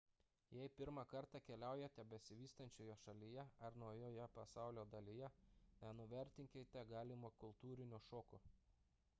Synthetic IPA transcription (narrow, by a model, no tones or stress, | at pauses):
jɛɪpʲɪɾmɑˑkɐɾt̪ɑkʲɛlʲæˑʊjɛt̪ʲɛbʲɛsʲɪʋʲiːst̪ɐnʲt͡ʃʲoːjoʃɐlʲijɛɐɾnuːjoːjɛpɐsɑˑʊlʲoːd̪ɐlʲɪjɛnʲɛnʊʋʲɛɾʲt̪ʲɪŋʲkʲet̪ʲɛɡɑːlʲɪmokʊlˠt̪uːɾʲɪnʲʊʃoːkʊ